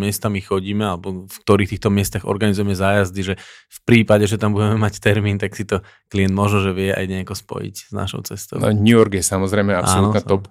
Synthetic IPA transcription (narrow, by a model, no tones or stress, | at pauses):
mɪɛst̪amixɔɟiːmɛalɛbɔfk̚t̪ɔɾiːxt̪iːxt̪ɔmɪɛst̪aɣɔ̰ɾɡanizujɛmɛzaːjazd̪iʒɛfpɾiːpaɟɛʒɛt̪ambuɟɛmɛmact̪ɛɾmiːnt̪aksit̪ɔ | kliɛnd̪mɔʒnɔʒɛʋɪɛa̰jɲɛakɔspɔ̰jḭczna̰ʃɔ̰ʊt͡sɛst̪ɔ̰ʊ̰ɲuɔɾɡjɛsamɔzɾɛɪmɛa̰ʔasːɔlnuɔnat̪ɔp